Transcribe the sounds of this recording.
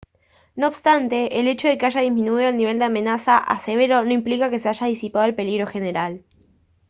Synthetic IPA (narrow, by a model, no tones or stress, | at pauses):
no̞ːβst̪ant̪e̞ʔːle̞t͡ʃo̞ð̞e̞keaʒaðizmĩnuiðo̞alniβ̞e̞ld̪eamẽ̞nasaʔa̰se̞β̞e̞ɾo̞no̞implikake̞seaʒaðisipaðoelpe̞liɣɾo̞xene̞ɾal